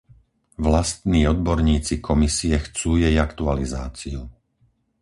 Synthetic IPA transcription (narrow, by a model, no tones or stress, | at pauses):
ʋlast̪niːɔd̪̚bɔɾɲiːt͡sikʰɔmisiɛxt͡suːjɛjakt̪ualizaːt͡siu